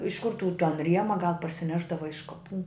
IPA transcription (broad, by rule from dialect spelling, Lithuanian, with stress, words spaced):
ɪʃ kʊr tuː tɐn ˈrʲiɛmɐ ɡɐlˠ pɐrʲsʲɪˈnʲæːʒdɐʋɐ ɪʃ kɐˈpuː